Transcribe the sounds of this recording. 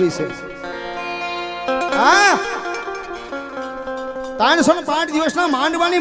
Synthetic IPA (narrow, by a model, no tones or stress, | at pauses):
it͡ʃʰe | a | t̪ãːnsonpãːt͡ʃd̪iʋəsnaːmaːɳɖʋaːni